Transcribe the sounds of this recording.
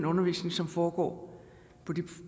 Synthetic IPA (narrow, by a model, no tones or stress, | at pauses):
nɔ̽nɐʋḭːsne̝ŋsɒ̽mfɒːɡ̥ɒ̰ː | pʰɒ̽d̥i